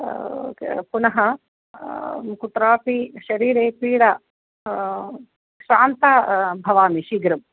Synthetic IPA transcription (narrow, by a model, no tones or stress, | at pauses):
punɐɦɐ | kut̪ɾaːpiʃɐɾiːɾeːpiːɽɐ | ʃaːnt̪ɐbʱɐʋaːmiʃiɡɾɐm